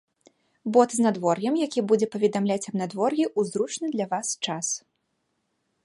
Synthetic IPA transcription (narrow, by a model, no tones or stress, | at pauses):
bɔt̪znad̪vɔrjɐmjakʲibud͡zʲɛpɐvʲɛd̪amlʲat͡sʲɐbnad̪vɔrjʲiʔuzɾut͡ʂnɨd̪lʲɐvast͡ʂas